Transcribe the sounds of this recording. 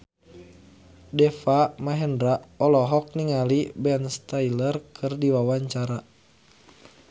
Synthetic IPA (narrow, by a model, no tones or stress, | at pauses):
dɛfamaɦɛndɾaɔlɔɦɔk̚niŋalibɛnst̪ailərkʰɨrdiwawaɲt͡ʃaɾa